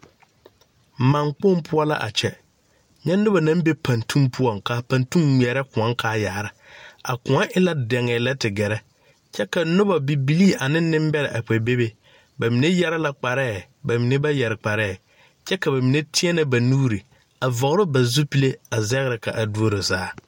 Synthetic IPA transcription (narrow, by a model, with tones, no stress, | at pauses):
ma˨ŋk͡pʊ˦mpʰʊ˦ɔ˦la̰˦ʔa̰˨t͡ʃɛ˦ | ɲɛ˦nʊ˦ba˨nã˦m˦be˦pã˨ntʰũ˦mpʰʊ˦ɔ˦˨ŋka˨pa˨ntu˦ŋwɛ˨ɾɛ˦kʊ̃˨a˦ŋkʰaː˦ja˨ɾa˨a̰˨kʊ̃˨a˦ʔɪ˦la˦dɛ˨ŋɛ˨la˦tɪ˨ɡɛ˨ɾɛ˦ | t͡ʃɛ˦ka˨nʊ˦ba˨bi˨bi˨li˦ʔa˨nɪ˦nːɪ̃˦m˦bɛ˦ɾɪ˨ʔa˨k͡pɛ˨be˦be˨ | ba˨mi˨ne˦jɛ˦ɾɛ˦la˦k͡pa˨ɾɛː˦˨ | ba˨mi˨ne˦ba˦jɛ˨ɾɪ˨k͡pa˨ɾɛː˦˨ | t͡ʃɛ˦ka˨ba˨mi˨ne˦tʰɪ˦ɛ˦nɪ˦ba˨nuː˦ɾi˨ | a˨vɔ˨ɣɾɪ˦ba˨zu˦pi˦le˦a˨zɛ˦ɣɪ˦ɾɪ˨ka˨ʔa˨du˦o˦ɾɪ˨zaː˦